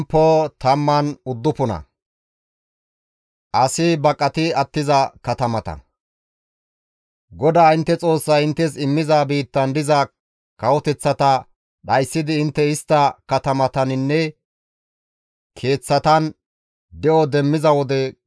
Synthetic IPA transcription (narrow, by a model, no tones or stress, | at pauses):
pːot̪ɐmːɐnʊd̪ːʊpʊnɐ̰ | ʔɐsɪbɐkʼːɐt̪ɪɐt̪ːɪzɐkɐt̪ɐmɐt̪ɐ̰n | ɡɔd̪aːɪnt̪ːɛt͡sʼo̞ːsːɐɪnt̪ːɛs̬ɪmːɪzaːbiːt̪ːɐnd̪ɪzɐ | kɐwɔt̪ɛt͡sːɐt̪ɐ | ɗɐjsːɪd̪ɪɪnt̪ːɛɪst̪ːɐkɐt̪ɐmɐt̪ɐnɪnːɛ | kʰe̞ːt͡sːɐt̪ɐn | d̪ɛʔɔd̪ɛmːɪzɐwɔd̪ɛ